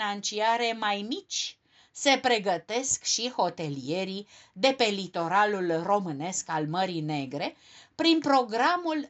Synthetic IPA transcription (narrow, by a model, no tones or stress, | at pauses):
nant͡ʃiaɾe̞majmit͡ʃʲ | se̞pɾe̞ɡət̪e̞skʃiho̞t̪e̞lije̞ɾi | d̪e̞pe̞lit̪o̞ɾalulro̞mɨne̞skalməɾine̞ɡɾe̞ | pɾinpɾo̞ɡɾamul